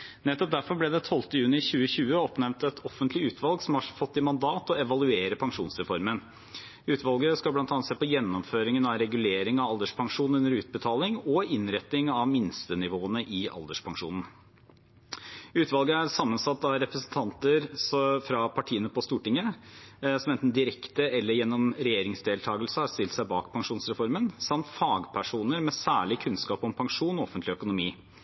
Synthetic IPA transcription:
nɛt̪ːɔp̚d̪æɾfɔɾblɛd̪ɛt̪ʰɔlt̪əjʉːnɪçʉːəçʉːəɔpnɛmnt̪ɛt̪ʰɔfənt̪lɪʉːt̪ʰʋɑlɡsɔmhɑɾfɔt̪ːɪmɑnd̪ɑːt̪ɔɛʋɑlʉeːɾəpʰɑŋʂuːnsɾɛfɔɾmən | ʉːt̪ʋɑlɡəskɑblɑnt̪ɑnːɑt̪seːpɔjɛnːɔmføːɾɪŋənɑɾɛɡʉleːɾɪŋɑʋɑld̪əʂpʰɑŋʂuːn̩ʉnːəɾʉːt̪̚bət̪ʰɑːlɪŋɔɪnɾɛt̪nɪŋɑʋmɪnst̪ənɪʋoːənəʔɪʔɑ̰ld̪əʂpʰɑŋʂṵːnn̩ | ʉːt̪ʋɑlɡəæɾsɑmːənsɑt̪ːɑɾɛpɾəsn̩t̪ʰɑnt̪əɾfɾɑpʰɑʈʰiːənəpʰɔst̪uːʈɪŋːə | sɔmɛnt̪n̩d̪ɪɾɛkt̪əɛlːəɾjɛnːɔmɾɛjeːɾɪŋsd̪eːlt̪ʰɑːɡəlsəhɑɾst̪ɪlt̪sæɪbɑ̰ːkpʰɑŋʂuːnsɾɛfɔɾmənsɑmt̪fɑːɡpʰæʂuːnəɾmɛsæːɭɪkʰʉnskɑːpɔmpʰɑŋʂuːnɔɔfənt̪lɪœkʊnʊmiː

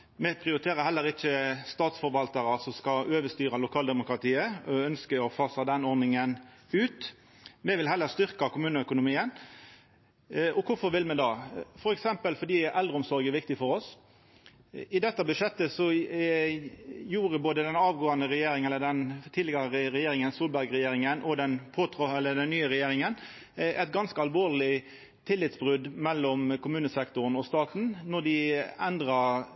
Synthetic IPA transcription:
mɛpʰɾɪʊɾɪt̪ʰeːɾəhɛlːəɾɪçəst̪ɑːt̪sfɔɾʋɑlt̪ɑɾɑsɔmskɑøːʋəst̪yːɾɑlʊkʰɑːld̪ɛmʊkɾɑt̪ʰiːəɔœnskəɾɔfɑːsɑd̪ɛnɔɾnɪŋənʉːt̪ | mɛʋɪlɦɛlːəɾst̪ʏʁkɑkʰʊmʉːnəœkʊnʊmiːən | ʔɔkʰʊfɔɾʋɪlmɛd̪ɑːfɔɾɛksɛmpəlfɔd̪iːɛʔɛld̪ɾəɔmsɔɾɡəʋɪkt̪ɪfɔɾɔs | ɪd̪ɛt̪ːəbʉʂɛt̪ːəsɔ | juːɾəboːd̪əd̪ɛnɑːʋɡoːɑnəɾɛjeːɾɪŋɛlːəd̪ɛnt̪ʰiːlɪɡɑɾəəɾɛjeːɾɪŋənsuːlbæɾɡɾɛjeːɾɪŋənʔɔd̪ɛnpʰoːt̪ʰʁɔɛlːəd̪ɛnːyːəɾɛjeːɾɪŋən | ʔɛt̪ɡɑnskəɑlʋoːʁlɪ | t̪ʰɪlːɪt̪sbʁʉd̪mɛlːɔmkʰʊmʉːnəsɛkt̪ʊɾənɔst̪ɑːt̪n̩nɔd̪ɪɛnd̪ɾɑ

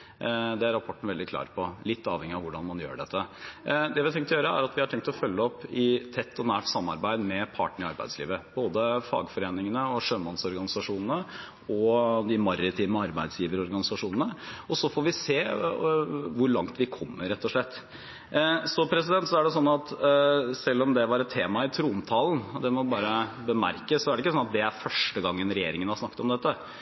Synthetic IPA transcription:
d̪ɛæɾɑpʰɔʈːn̩ʋɛld̪ɪkʰlɑ̰ːɾpʰɔlɪt̪ːɑːʋhɛŋːɪɑʋʊɖɑnmɑnjø̰ːɖɛt̪ʰːəd̪ɛʋɪɑt̪ʰɛŋt̪ɔjøːɾəæ̰ɾɑt̪ʋɪhɑʈʰɛŋkt̪ɔfœlːəɔpːɪt̪ʰɛt̪ʰːɔnæːʈsɑmːɑ̰ɾbæɪd̪mɛpʰɑ̰ːʈnəɾɪɑɾbæ̰ɪslḭːʋəb̥oːd̪əfɑ̰ːɡfɔɾeːnɪŋənəɔʂøːmɑnsɔɾɡɑnɪsɑʂuːnənə | ɔd̪ɪmɑɾət̪ʰiːʋməɑɾbæɪd̪sjiːʋəɾɔɾɡɑnɪsɑʂuːnənəɔsɔfoɾʋɪseː | ʋʊɾɭɑŋt̪ʋɪkʰɔmːəɾɛt̪ːɔʂɭɛt̪ː | sɔpʰɾɛs̬ɪd̪ɛnt̪sɔæɖɛs̬ɔnːɑt̪sɛlːɔmd̪ɛʋɑɾɛt̪ʰːeːmɑɪt̪ʰɾuːmt̪ʰɑːlˠn̩d̪ɛmɔbɑːɾəbəmæ̰ɾkəssɔæɖɛɪkːəsɔnɑt̪̚d̪ɛæɾfœʂʈəɡɑŋːənɾɛjeːɾɪŋənhɑɾsnɑkːət̪ɔmd̪ɛt̪ːə

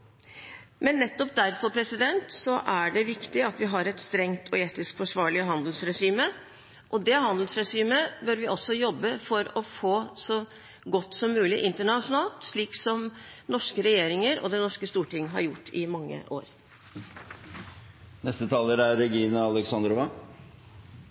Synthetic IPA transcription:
mɛnːɛt̪ːɔp̚d̪æɾfɔɾpʰɾɛsɪd̪ɛnt̪sɔʔæɖɛʋɪkt̪ɪɑt̪ʋɪɦɑɾɛt̪st̪ɾɛŋt̪ʰɔeːt̪ɪskfɔʂʋɑːɭɪəɦɑnd̪l̩sɾɛʂiːmə | ʔɔd̪ɛɦɑnd̪l̩sɾɛʂiːməbœɾʋɪʔɔsːɔjɔbːəfɔɾɔfoːsɔ | ɡɔt̪ːsɔmːʉːlɪʔɪnt̪əɳɑʂʊnɑːlt̪ʂɭiːksɔmnɔʂkəɾɛjeːɾɪŋəɾɔ̰d̪ɛnɔʂkəst̪uːʈɪŋːɦɑ̰ɾjʊʈːɪmɑŋːə̰ʔo̰ːɾ | nɛst̪ət̪ʰɑːləɾæɾɛɡiːnəɑlɛksɑnd̪ɾɔʋɑ

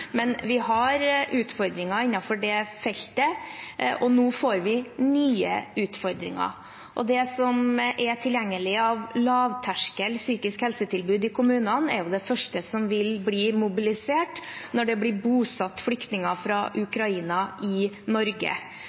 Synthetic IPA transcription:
mɛnʋɪhɑɾʔʉːt̪fɔɾd̪ɾɪŋɑɾɪnːɑfɔɖɛfɛlt̪əʔɔnoːfoːɾʋɪnyːə̰ʉːt̪fɔɾd̪ɾɪ̰ŋɑ̰ | ʔɔ̰d̪ɛsɔmʔɛʈʰɪljæŋːəlɪəɑʋlɑːʋt̪ʰæʂkəlsyːkɪskhɛlsət̪ʰɪlbʉːd̪ɪkʊmʉːnɑnɛɾjʊd̪ɛfœʂʈəsɔmʋɪlbliːmʊbɪlɪseːʈnɔɖɛblɪbuːsɑt̪ːflʏkt̪nɪŋɑfɾɑʔʉkɾɑiːnɑʔɪ | nɔɾɡə̰

